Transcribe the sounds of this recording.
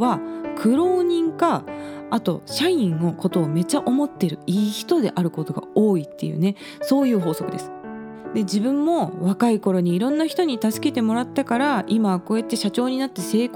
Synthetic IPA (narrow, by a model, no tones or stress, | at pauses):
akʰɯ̟ɾo̞ːɲ̟ĩŋkaːt̪o̞̰ɕaĩɰo̞ko̞t̪o̞ːme̞t͡ɕaʔo̞mo̞t̪ːe̞ɾɯ̟iːçi̥t̪o̞d̪e̞ʔaɾɯ̟ko̞t̪o̞ɡa̰oːit̪ːe̞̰jɯ̰ːne̞ | so̞ːjɯ̟ːɦo̞ːso̞kɯ̟d̪e̞sɨ̥ | d̪e̞d͡ʑibɯ̟̃mːo̞βakaiko̞ɾo̞ɲ̟iːɾõ̞nːaçi̥t̪o̞ɲ̟it̪asɨ̥ke̞t̪e̞mo̞ɾat̪ːakaɾaʔimako̞ːet̪ːe̞ɕat͡ɕo̞ːɲ̟inat̪ːese̞ːk